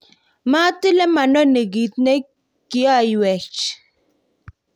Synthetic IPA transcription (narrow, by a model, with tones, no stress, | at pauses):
ma˦tɪ˦lɛ˦ma˨nɔ˦ne˨ɡi˨tne˦ | kɪ˨˦a˦jwɛ˨t͡ʃ